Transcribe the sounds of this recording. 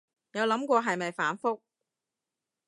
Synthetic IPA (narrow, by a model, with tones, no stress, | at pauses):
jɐ˨˧wlɐ˨˥mkʷɔː˧ɦɐ˨jmɐ˨jfaː˨˥nfʊ˥k̚